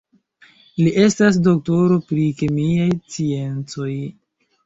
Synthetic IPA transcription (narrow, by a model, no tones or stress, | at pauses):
liʔe̞stas̬do̞k̚to̞ɾo̞pɾikemiajt͡sie̞nt͡so̞j